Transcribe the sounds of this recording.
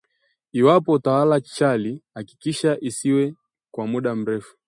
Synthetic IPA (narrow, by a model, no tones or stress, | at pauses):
iwapɔtawalat͡ʃalihaki̥kiʃaʔisiwɛ | kwamuɗam̩ɾɛfu̥